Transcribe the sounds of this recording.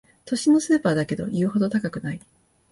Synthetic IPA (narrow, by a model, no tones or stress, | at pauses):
t̪o̞ɕino̞sɨːpaːd̪ake̞d̪o̞̰jɯ̟ːho̞d̪o̞t̪akakɯ̟nai